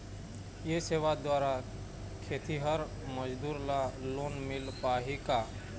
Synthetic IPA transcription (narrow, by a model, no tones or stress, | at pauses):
jeseːʋad̪waːɾa | kʰeːt̪iɦəɾ | məd͡ʒd̪uːɾlaloːnmɪlpaɦika